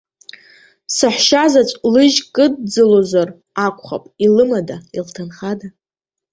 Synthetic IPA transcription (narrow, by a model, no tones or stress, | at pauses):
saħʷʃazat͡ʃʷʼlɨʒkʼɨdd͡zɨlozar | akʷʼχa̰pʼilɨmadailtʰanχada